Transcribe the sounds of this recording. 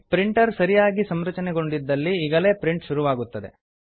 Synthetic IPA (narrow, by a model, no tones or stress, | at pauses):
pɾiɳʈɐɾsɐɾijaːɡisɐmɾɐt͡ʃɐnɛɡo̞ɳɖid̪ːɐlːiːɡɐle̞ːpɾiɳʈʃuɾuʋaːɡut̪ːɐd̪e̞̰